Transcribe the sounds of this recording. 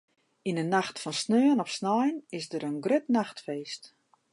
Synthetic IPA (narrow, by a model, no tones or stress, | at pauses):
inənaxtfɔnsnøənɔfsnɔjnɪsdəɾənɡrøtnaxtfeːst